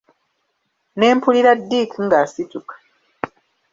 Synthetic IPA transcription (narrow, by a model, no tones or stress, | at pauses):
ne̞ːmpuliɾadːiːkiŋɡaːsitukḁ